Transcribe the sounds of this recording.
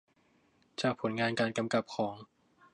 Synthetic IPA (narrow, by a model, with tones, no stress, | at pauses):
t͡ɕaː˨˩k̚pʰo˩˦nŋaː˧nkaː˧nka˧mka˨˩p̚kʰɔː˩˦ŋ